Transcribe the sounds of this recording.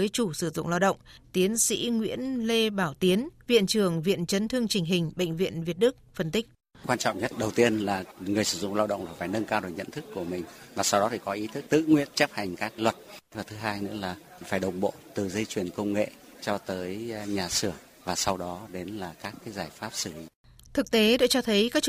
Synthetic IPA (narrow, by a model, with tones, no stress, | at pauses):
əː˨˦jt͡ɕu˧˩sɨ˧˩zʊ̰˧˨ŋ͡mlaː˧wɗə̰˧˨wŋ͡mt̪i˨˦ənsḭ˧˥ŋwḭ˧˥ənle˧ɓaː˧˩wt̪i˨˦ənvḭ˧˨ənt͡ɕɨ˨˩əŋvḭ˧˨ənt͡ɕə˨˦nt̪ʰɨ˧əŋt͡ɕï˨˩ŋ̟ɦï˨˩ŋ̟ɓə̰˧˨ŋ̟vḭ˧˨ənvi˨˩ət̚ɗɨ˦˥k̚fə˧˩nt̪ï˦˥k̟̚ | kwaː˧nt͡ɕɔ̰˧˨wŋ͡mɲə˦˥t̚ɗə˨˩wt̪i˧ənlaː˨˩ŋɨ˨˩əjsɨ̥˧˩zʊ̰˧˨ŋ͡mlaː˧wɗə̰˧˨ŋ͡mlaː˨˩faː˧˩jnə˧nkaː˧wɗo˨˩jɲə̰˧˨nt̪ʰɨ˦˥kːu˧˩əmï˨˩ŋ̟vaː˨˩sa˧wɗɔ˨˦t̪i˧˩kɔ˨˦ʔi˨˦t̪ʰɨ˦˥k̚t̪ɨ̰˧˨ŋwḭ˧˨ənt͡ɕə˦˥p̚ha˨˩jŋ̟kaː˦˥k̚lwə˨˩t̚laː˨˩t̪ɨ˨˦ɦaː˧jnɨ̰˧˥laː˨˩ | faː˧˩jɗə˨˩wŋ͡mɓo̰˧˨t̪ɨ˨˩zə˧jt͡ɕwi˨˩ənkə˧wŋ͡mŋḛ˧˨ | t͡ɕɔ˧t̪əː˨˦jɲaː˨˩sɨ˧˩ə | vaː˨˩sa˧wɗɔ˨˦ɗe˨˦nlaː˨˩kaː˦˥kːaː˨˦jzaː˧˩jfaː˦˥p̚sɨ˧˩li˨˦ | t̪ʰɨ˨˩k̚t̪e˨˦ɗɨ̰˧˥t͡ɕɔ˧t̪ʰə˨˦jkaː˦˥k̚